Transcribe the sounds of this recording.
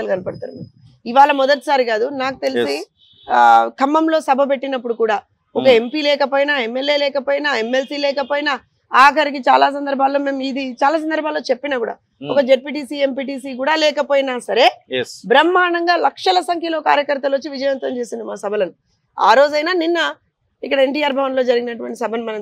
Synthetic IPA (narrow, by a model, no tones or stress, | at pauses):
ɐlkɐnɐpɐɽɐt̪a̰ːnumeːmu | iʋaːɭɐmɔd̪ɐʈi̥saːɾiɡaːd̪unaːku̥t̪e̞lisi | kʰɐmːɐmlo̞ːsɐbʱɐp̬e̞ʈːinɐpːuɽukuːɽaː | ɔkɐempiːlɛːkɐp̬oːjinaemːe̞lːe̞ːlɛːkɐpoːjinaemːe̞lsiːlɛːkɐpoːjina | aːkʰɐɾik̬it͡ʃaːlaːs̬ɐnd̪ɐɾbʱaːlːo̞ːme̞ːmid̪it͡ʃaːlaːs̬ɐnd̪ɐɾbʱaːlːo̞ːt͡ʃe̞pːinaːkuːɽa̰ː | ɔ̰kɐd͡ʒeɖ̚piʈ̬iːsie̞mpiːʈiːsiːk̬uːɽaːlɛːkɐpoːjnaːsɐɾe̞ːbɾɐmːaːɳɐŋɡaːlɐkʂɐlɐsɐŋkʰjɐloːka̰ːɾjɐkɐɾt̪ːɐlʋɐt͡ʃːiʋid͡ʒɐjʋɐnt̪ʋɐmt͡ʃe̞ːsind̪imaːsɐbʱɐlɐnu | a̰ːɾo̞ːd͡ʒɐjnaːninːɐ | ikːɐɽɐe̞ɳʈiːaːɾbʱɐʋɐnlo̞ːd͡ʒɐɾiɡinɐʈuʋɐɳʈisɐbʱɐnumɐnɐm